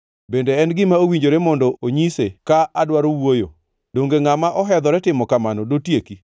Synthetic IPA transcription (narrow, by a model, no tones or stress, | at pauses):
bendeɛnɡɪmaowiɲd͡ʒoɾemɔndɔoɲisekaʔadwaɾowwojo̰ | doŋɡeŋamaʔɔɦɛd̪ɔɾɛtɪmɔkamanɔdotjeki